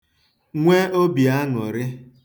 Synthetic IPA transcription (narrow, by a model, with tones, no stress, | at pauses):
ŋʷe˦o˦bi˨a˦nʊ̰˨ɾɪ˦